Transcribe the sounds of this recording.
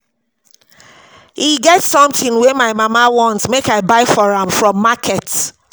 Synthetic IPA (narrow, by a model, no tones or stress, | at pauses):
hiɡɛtsɔ̃mθĩŋwemaɪmamawɔ̃ntmekaɪbaɪfɔɹãmfɹɔ̃mːakʰɛt